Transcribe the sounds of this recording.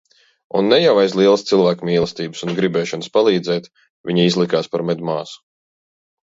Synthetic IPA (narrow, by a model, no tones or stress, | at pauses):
ṵnːɛjawajzlˠiɛlˠəst̪silˠvæːkmʲiːlˠɨst̪iːbɨsunɡɾibɛːʃɔnɨspalˠiːd̪zɛːt̪ | vʲiɲiizlˠikaːspaɾmɛd̪maːsu̥